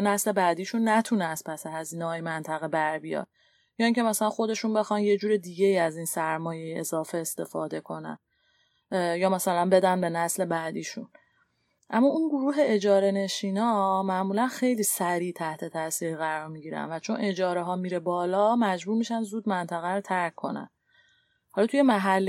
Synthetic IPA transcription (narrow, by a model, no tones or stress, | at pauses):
næsle̞bæd̪iːʃunːæt̪ʰunæst̪pʰæseɦæziːnɛɦːjimænt̪ʰæɣebæɾbijɒ̰d̪ | jɒːiːŋcʰe̞mæsælænxo̞d̪e̞ʃunbe̞xɒnje̞d͡ʒuːɾed̪iːɟe̞iːæziːnsæɾmɒːje̞jiʔezɒːfeest̪e̞fɒːd̪e̞kʰo̞næ̰n | jɒːmæsælænbe̞d̪ænbe̞næsle̞bæd̪iːʃun | ʔæmːɒunɡoɾuːɦe̞e̞d͡ʒɒːɾe̞ne̞ʃiːnɒmæʔmuːlænxe̞jliːsæɾiːt̪ʰæht̪ʰe̞t̪ʰæsiːɾiɣæɾɒɾmiɟiːɾæ̰nvæt͡ʃʰo̞nʔe̞d͡ʒɒːɾeɦɒːmiɾebɒːlɒmæd͡ʒbuːɾmiʃænzuːd̪mænt̪ʰæɣæɾot̪ʰæɾkʰːo̞̰næ̰n | hɒlɒt̪ʰuje̞mæɦælː